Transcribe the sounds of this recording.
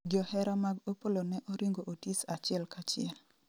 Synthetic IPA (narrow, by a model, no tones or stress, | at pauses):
ɡjɔhɛɾamaɡopolonɛʔɔɾiŋɡoʔotisat͡ʃɪɛlkat͡ʃɪɛl